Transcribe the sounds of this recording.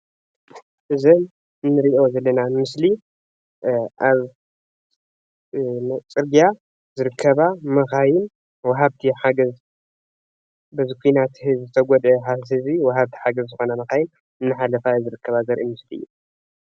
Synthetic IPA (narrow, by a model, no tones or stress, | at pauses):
ʔɨzɐn | ɨnːɨɾiʔozɐlːɐnamɨsli | ʔaβ | t͡sʼɨɾɡija | zɨɾɨkʰːɐβamɐxajɪn | wɐɦaβt̪ʰiħaɡɐz | bɐzikʰʷuinat̪hɨzzɨt̪ʰɐɡʷɔd̪ɛħahɨziwɐɦaβt̪ʰi̥ħaɡɐzzɨxo̞namɐxajɪn | ɨnːɨħalɐfajuzɨɾɨkʰːɐβazɐɾʔimɨslḭːu